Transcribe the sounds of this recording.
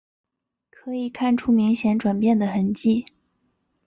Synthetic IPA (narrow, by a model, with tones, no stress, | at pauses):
kʰɤ˧˥i˨˩kʰa˥˩nʈ͡ʂʰu˥mi˧˥ŋɕjɛ˧˥nʈ͡ʂwa˨˩npjɛ˥˩nd̪ə˩xə˧˥nt͡ɕi˥˩